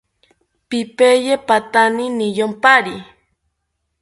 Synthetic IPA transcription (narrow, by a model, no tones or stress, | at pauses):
pipejepat̪aninijompaɾi